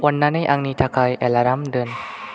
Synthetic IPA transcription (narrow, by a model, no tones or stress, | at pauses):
wanːanːajʔaŋniːt̪ʰakʰajʔɛlaɾamdɯn